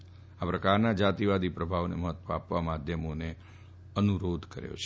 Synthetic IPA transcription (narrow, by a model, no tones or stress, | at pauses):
apɾəkaɾnad͡ʒat̪iʋad̪ipɾəbʱaʋnḛməɦət̪ːʋoapʋamad̪ʱjəmone | ənuɾod̪ʱkə̰ɾjo̰t͡ʃʰe